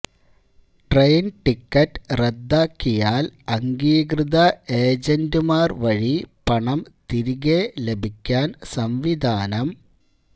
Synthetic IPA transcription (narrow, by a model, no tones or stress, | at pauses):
ʈrejnʈikːɐtːred̪ːaːkːijaːlɐŋɡiːɣrɨðɐeːd͡ʑɐndɨmaːrʋɐɻipɐɳɐmt̪iɾiɣelebʱikʲːaːnsɐmʋid̪ʱaːnɐm